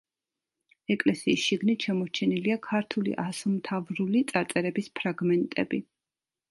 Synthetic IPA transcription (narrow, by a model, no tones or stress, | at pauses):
ɛkʼlɛsiːsʃiɡnit̪ʃamɔɾt͡ʃʰɛniliakʰaɾt̪ʰulḭʔasumt̪ʰavɾulit̪sʼaɾt̪sʼɛɾɛbispʰɾaɡmɛnt̪ʼɛ̰bi